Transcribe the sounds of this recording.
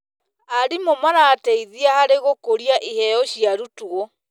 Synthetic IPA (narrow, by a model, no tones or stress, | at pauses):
aɾimomanaːtɛiðiahaɾeɣokoɾiaʔihɛjɔɕiaɾutuɔ